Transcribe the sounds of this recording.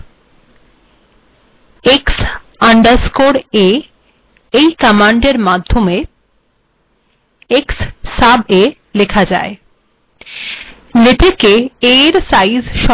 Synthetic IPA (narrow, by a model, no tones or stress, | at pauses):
eks | aɳɖaɾskoɾe | ejkamaɳɖeɾmad̪ʱːome | eksːabe | lekʰad͡ʑa̰e | net̪ʰekeeɾsajzʃɔ